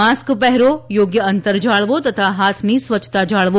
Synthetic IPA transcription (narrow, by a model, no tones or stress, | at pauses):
askpɛɦɛɾojoɡjəənt̪əɾd͡ʒaɭʋot̪ət̪ʰaɦat̪ʰnisʋət͡ʃʰt̪ad͡ʒaɭʋo